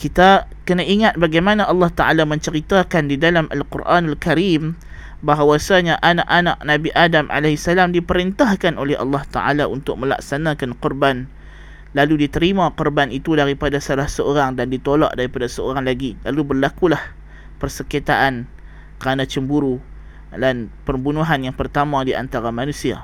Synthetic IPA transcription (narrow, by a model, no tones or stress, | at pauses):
kit̪a | kənaʔiŋat̪̚baɡajmãnãʔɑlːɑht̪aʔalamə̃ɲt͡ʃəɾit̪akandidalamʔa̰lqurʔanalkaɾim | baɦwasaɲaʔana̰ʔanaʔnãbiʔadamʔa̰leɦisalamdipəɾint̪ahkanʔolɛhʔɑ̰lːɑht̪a̰ʔa̰laʔṵnt̪ʊk̚mə̃la̰ksanakanqʊrban | laludit̪əɾimãqʊrbanit̪udaɾipadasalahsəoɾaŋdandit̪olɔ̰ʔdaɾipadasəoɾaŋlaɡilalubərlakulah | pərsəkit̪aʔan | kəɾanat͡ʃəmbuɾu | danpərbunuɦanjaŋpərt̪amãdiʔa̰nt̪aɾamanũsia̰